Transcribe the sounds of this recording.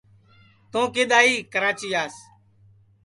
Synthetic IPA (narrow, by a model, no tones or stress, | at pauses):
t̪õːkeːɗ̪aːiːkəɾaːt͡ʃiːaːs